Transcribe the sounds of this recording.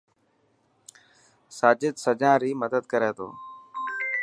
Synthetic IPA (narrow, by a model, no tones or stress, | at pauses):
saːd͡ʒɪd̪səd͡ʒãːɾiːməd̪əd̪kəɾeːt̪ʰo̰ː